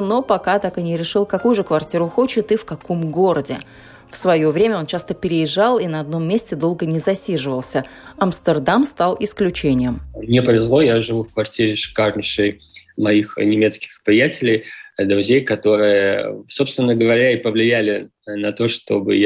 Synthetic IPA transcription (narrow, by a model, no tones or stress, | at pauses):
no̞pɐkat̪akɨnʲɪɾʲɪʂɨlˠkɐkujʊʐɨkvɐrtʲiɾʊxo̞t͡ɕɪt̪ɨfkɐko̞mɡo̞ɾədʲɪ | fsvɐjo̞vɾʲemʲəo̞nt͡ɕast̪əpʲɪɾʲɪjɪʐːɑlˠinɐɐd̪̚no̞mːʲesʲtʲɪd̪o̞lˠɡənʲɪzɐsʲiʐɨvəlˠsʲəɐmst̪ərd̪amst̪ɑlˠɪsklʲʉt͡ɕenʲɪjəmmnʲɪpəvʲɪzlˠo̞jaʐɨvufkvɐrtʲiɾʲɪʂɨ̥karnʲɪʂɨjmɐixnʲɪmʲe̞t̪skʲɪ̥xpɾʲɪjætʲɪlʲɪjd̪ɾʊzʲejkɐt̪o̞ɾɨjəə̰so̞pst̪vʲɪnːəɡəvɐɾʲaipəvlʲɪjælʲɪ | nɐt̪o̞ʂt̪o̞̰bɨ̰j